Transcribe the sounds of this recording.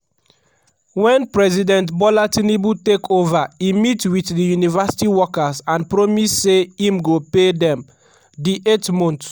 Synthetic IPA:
wɛ̃npɹɛzidɛ̃ntbɔlatinibutekʰovaimitwitdijunivasi̥tiwɔkasãnpɹɔmisːeĩmɡopedɛ̃m | diʔetmɔ̃nt

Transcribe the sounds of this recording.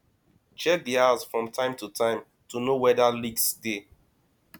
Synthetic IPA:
t͡ʃɛk̚diasfɹɔ̃mtʰãɪ̃mtutʰãɪ̃m | tʰunowɛðaliɡsːte

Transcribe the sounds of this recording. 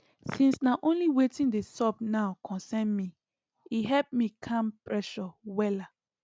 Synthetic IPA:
sĩnsnaʔõnliwetĩndesɔpnaʊkʰɔ̃nsɛ̃nmi | iɦɛlp̚mikʰãmpɹɛʃɔwɛla

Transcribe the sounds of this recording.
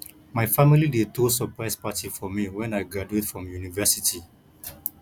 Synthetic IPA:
maɪfamilidetosɔpɹaɪspatifɔmiwɛ̃naɪɡaduetfɹɔ̃mjunivɛsitʰi

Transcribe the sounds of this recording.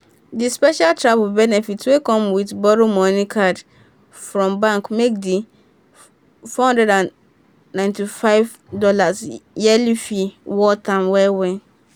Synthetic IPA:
dispɛʃaltʰɹabbɛnɛfitwekʰɔ̃mwitbɔɾomɔ̃nĩkʰad | fɾɹɔ̃mbãŋkmek̚di | fɔhɔ̃ndɛdãnː | ãɪ̃ntʰifaɪv | dɔlasjɛlifiwɔtʰãmwɛwɛ̃

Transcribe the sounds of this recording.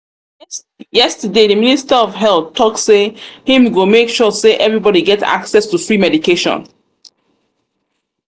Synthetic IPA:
jɛstədeðəministaɔvɦɛlθtʰːɔksehĩmɡomekʃɔseʔɛvɹibɔɾiɡɛta̰ksɛstufɹimɛdikeʃɔ̰̃n

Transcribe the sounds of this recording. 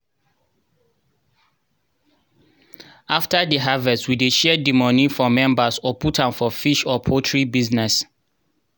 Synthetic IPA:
aftadəɦavɛstwideʃɛdimɔ̃nifɔmɛ̃mbasɔpʰutʰãmfɔfiʃɔpʰotʰɹibiznɛs

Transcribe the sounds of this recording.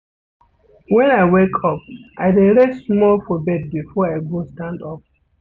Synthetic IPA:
wɛ̃naɪwekʰɔp̚ʔaɪdẽɾesmɔlfɔbɛd̚bifɔaɪɡostãndɔp̚

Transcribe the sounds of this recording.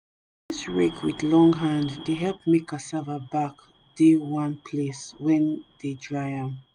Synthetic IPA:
ĩsɹekwiðlɔ̃ŋɦãnddeɦɛlp̚mekasavabak | dewãnpʰleswɛ̃ndedɹaɪãm

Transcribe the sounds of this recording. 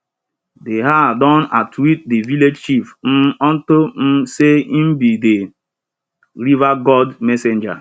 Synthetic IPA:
deɦadɔnatwit̚deviled͡ʒʃifn̩ɔn̩tom̩seim̩bide | ɾivaɡɔdmesend͡ʒa̰

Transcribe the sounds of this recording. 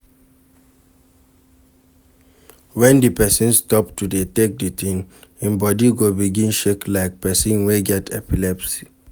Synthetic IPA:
wɛ̃ndipɛsĩnstɔptudetek̚ditĩnĩmbɔdiɡobiɡĩnʃeklaɪk̚pɛsĩnweɡɛtʰɛpilɛpsi̥

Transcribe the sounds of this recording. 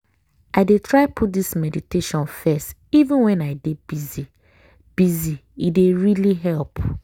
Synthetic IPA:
ʔaɪdetʰɹaɪpʰut̚dismɛditeʃɔ̃nfɛstivũnwɛ̃naɪdebizi | b̥iziideɹiliɦɛlp

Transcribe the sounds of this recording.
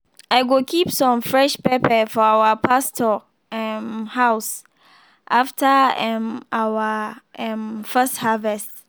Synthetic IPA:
ʔaɪɡokʰipsɔ̃mfɹɛʃpɛpʰɛfɔawəpʰastʰɔ | ɛnhaʊs | ʔaftʰəɛmʔawaɛmfɛsthavɛst

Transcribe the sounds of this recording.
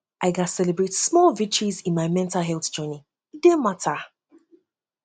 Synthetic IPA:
ʔaɪɡasɛlɛbɹetsmɔlˠvit͡ʃizĩnmaɪmɛ̃ntalɦɛlˠθd͡ʒɜni | dematʰa

